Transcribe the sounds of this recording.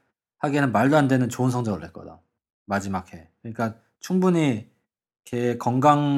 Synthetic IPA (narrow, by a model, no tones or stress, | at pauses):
haɡenɯnmaɭdoɦande̞nɯnt͡ɕoɯnsʰʌŋd͡ʑʌŋɯɭhɦe̞t̚k͈ʌ̰da̰ | mad͡ʑimakʰe̞kɯɲik͈a | t͡ɕʰuŋbuɲi | kʰekʌŋɡaŋ